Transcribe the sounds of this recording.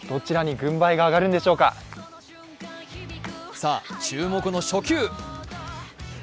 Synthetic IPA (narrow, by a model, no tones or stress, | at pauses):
d̪̥o̞t͡ɕiɾaɲ̟iɡɯ̟̃mbaiɡaːɡaɾɯ̃nd̪e̞ɕo̞ːka̰ | saːt͡ɕɨːmo̞kɯ̟no̞ɕo̞kʲɨː